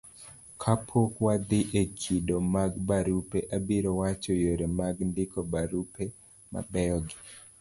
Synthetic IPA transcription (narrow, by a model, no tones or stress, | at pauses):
kʰapʰokwad̪ɪʔekʰidomaɡbaɾupeʔabiɾɔwat͡ʃojoɾemaɡndɪkɔbaɾupe | ma̰bɛɔɡɪ